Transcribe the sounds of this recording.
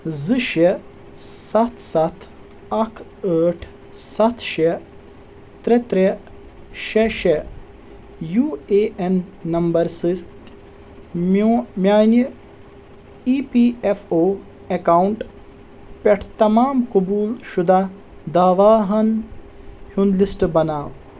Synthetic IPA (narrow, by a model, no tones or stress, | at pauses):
zɨʃe | sɐt̪ʰsɐt̪ʰ | ɐkʰəːʈʰ | sɐt̪ʰʃe | t̪ɾet̪ɾe | ʃeʃe | juːeʔenːɐmbɐɾsit̪ | mmjaːn | iːpiːefʰoː | ekawɳʈ | pʲeʈʰt̪ɐmaːmkubuːlʃud̪ʱa | d̪aːʋaːɦɐn | hund̪lisʈbɐnaːʋ